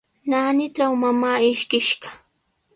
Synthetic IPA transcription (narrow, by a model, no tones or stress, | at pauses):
naːnɪʈ͡ʂawmamaːɪʃkɪʃɢɑ̥